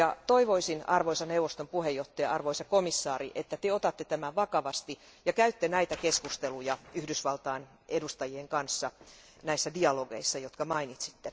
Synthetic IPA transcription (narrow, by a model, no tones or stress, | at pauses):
jɑt̪oiʋoisinɑrʋoisɑneuʋˑost̪ompuhejːoht̪ːɑjɑɑrʋoisɑkomisːɑːriʔet̪ːæt̪eot̪ɑt̪ːet̪æmæʋɑkɑʋɑst̪i | jɑkæyt̪ːenæit̪ækeskust̪elujɑyhdysʋɑlt̪ɑːn | edust̪ɑjieŋkɑnsːɑ | næisːædiɑloɡeisːɑjot̪kɑmɑinit̪si̥t̪ːe